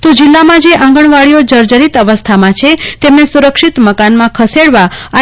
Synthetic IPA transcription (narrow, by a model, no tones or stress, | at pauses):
t̪od͡ʒilːamãd͡ʒeʔãŋɡəɳ̃ʋaɭijod͡ʒəɾd͡ʒəɾit̪əʋəst̪ʰamãt͡ʃʰet̪emnesuɾəkʃit̪məkanmãkʰəseɽʋaa